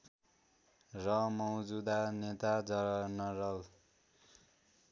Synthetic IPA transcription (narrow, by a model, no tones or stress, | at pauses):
rʌmʌwd͡zud̪anet̪ad͡zʌnʌɾʌl